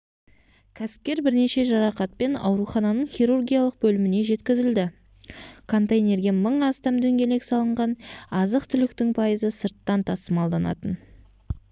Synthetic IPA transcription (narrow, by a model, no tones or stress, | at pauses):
kʲʰæsɪ̥p̚kʲe̞ɾbɪɾne̞ʃe̞ʒɑɾɑqɑt̪̚pe̞nɑ̰wɾuχɑnɑnəɴχʲijɾurɡʲijɑlˠəq̚bɵlɪmɪne̞ʒe̞t̪kʲɪzɪld̪ɪ | kʰo̞nt̪ejne̞ɾɡʲe̞məɴɑst̪ɑmd̪ɵŋɡʲe̞le̞ksɑlˠəɴʁɑnɑzəqt̪ʰʏlɪkt̪ɪŋpʰɑjəzəsəɾt̪ːɑnt̪ʰɑsəmɑlˠd̪ɑnɑ̰t̪ən